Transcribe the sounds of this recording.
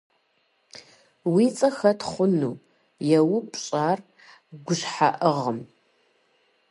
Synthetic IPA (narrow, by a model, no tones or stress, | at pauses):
wiːt͡sʼɐxɐtχʷʊnuː | jɛwʊpʼɕʼaːr | ɡʷʊɕħa̰ʔəʁəm